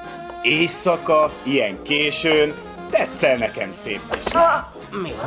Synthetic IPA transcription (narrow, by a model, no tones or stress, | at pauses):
eːsɒkɒijɛŋkeːʃøːn | t̪ɛt̪sːɛlnɛkɛ̰msḛːp̪iʃ | mi